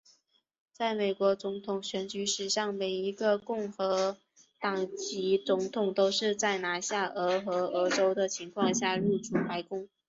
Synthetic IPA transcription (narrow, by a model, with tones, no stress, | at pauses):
t͡sa˥˩ɪme˨˩ɪkwɔ˧˥t͡sʊ˧˥ŋt̪ʰʊ˨˩ŋɕɥɛ˧˥nt͡ɕy˧˥ʂɻ̩˨˧˩ɕɑ˥˩ŋme˨˩ɪi˧˥ɡə˧kʊ˥˩ŋxɤ˧˥ | t̪ɑ˨˩ŋt͡ɕi˧˥t͡sʊ˧˥ŋt̪ʰʊ˨˩ŋt̪o˥ʊʂɻ̩˥˧t͡sa˥˩ɪna˧˥ɕja˥˩ʔɤ˧˥xɤ˧˥ɤ˧˥ʈ͡ʂo˥ʊd̪ə˨t͡ɕʰi˧˥ŋkʰwɑ˥˧ŋɕja˥˧ɻu˥˩ʈ͡ʂu˨˩pa˧˥ɪkʊ˥ŋ